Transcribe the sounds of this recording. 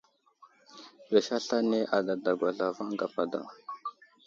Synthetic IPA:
we˨ʃa˦ɬa˦ne˦ʔa˨da˨da˨ɡʷa˨ɮa˨va˦ŋ˦ɡa˨pa˨da̰˨

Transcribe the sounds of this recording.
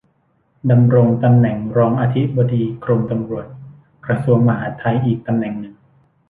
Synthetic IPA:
da˧mɾo˧ŋt̪a˧mnɛ˨˩ŋɾɔː˧ŋʔaː˧t̪ʰi˦˥bo˧diː˧kʰɾo˧mt̪a˧mɾu˨˩ət̪̚ | kɾa˧su˧əŋma˧ɦaː˩˦t̪ʰa˧jʔiː˨˩k̚t̪a˧mnɛ˨˩ŋnɯ˨˩ŋ

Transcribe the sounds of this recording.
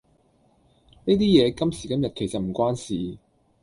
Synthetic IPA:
ne˥t̪iː˥jɛː˨˧kɐ˥msiː˨˩kɐ˥mjɐ˨t̚kʰe˨˩jsɐ˨t̚m̩˨˩kʷwaː˥nsiː˨

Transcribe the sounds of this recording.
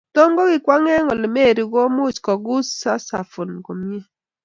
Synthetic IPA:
to˦ŋɡɔ˦ɡɪ˨kwa˦ŋɛ˦ŋɔ˨lɪ˨me˦˨ɾi˨ɡɔ˦mʊ˦˨t͡ʃkɔ˨ɡu˦sa˦sa˨fu˨nko˨mi˦e˦

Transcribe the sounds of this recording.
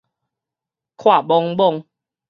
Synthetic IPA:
kʰwa˥˨bɔ˧ŋbɔ˥˧ŋ

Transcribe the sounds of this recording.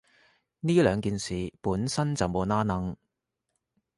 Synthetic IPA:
niː˥lœː˨˧ŋkiː˨nsiː˨puː˨˥nsɐ˥nt͡sɐ˨wmo˨˧naː˥nɐ˧˥ŋ

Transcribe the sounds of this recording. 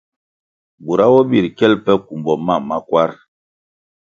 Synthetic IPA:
bu˨ɾa˦wɔ˦bi˦˨ɾkɛ˦lpɛ˦ku˨mbɔ˨ma˦˨ma˦kwa˦ɾ

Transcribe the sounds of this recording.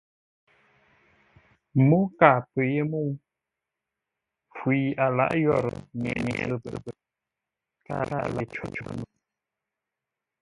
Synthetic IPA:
mo˦ka˨pə˨je˦mo˦˨w | fwi˨a˨la̰˦ʔjɔ˦˨ɾ̰ŋɛ̰˨ʔɲe˨˦˨bə̰˨bə˨ | ka̰˦˨ɾa˦˨la˨t͡ʃo˨t͡ʃu˨nu˨

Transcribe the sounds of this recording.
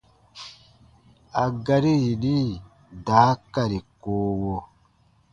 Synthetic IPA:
a˨ɡa˦ɾi˦ji˨ni˦ | daː˦kːa˨ɾi˨koː˦wo˦

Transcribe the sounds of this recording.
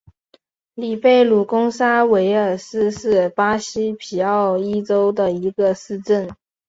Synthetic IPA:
li˨˩pe˥˩ɪlu˨˩kʊ˥ŋsa˥we˧˥ɪə˞˨˩sɹ̩˥ʂɻ̩˥˩pa˥ɕi˥pʰi˨˩ɑ˥˩ʊi˥ʈ͡ʂo˥ʊd̪ə˨i˧˥ɡə˧sɹ̩˥˧ʈ͡ʂə˥˩n

